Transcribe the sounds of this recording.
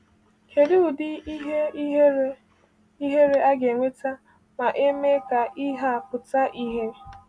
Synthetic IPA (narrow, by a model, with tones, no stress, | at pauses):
kʰe˨ɾɪ˦ʊ˨dɪ˦i˦ɦe˦ | i˦ɦe˦ɾe˦a˦ɡe˨ŋʷe˦ta˦ | ma˨ʔe˦me˦ka˨ʔi˦ɦa˦a˨pʊ˨ta˦ʔi˦ɦe˦